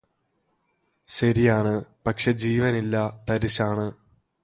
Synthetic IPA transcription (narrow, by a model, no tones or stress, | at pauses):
ɕɐɾijaːɳɨpɐkʂe̞d͡ʑiːʋɐnilːɐt̪ɐɾiɕaːɳɨ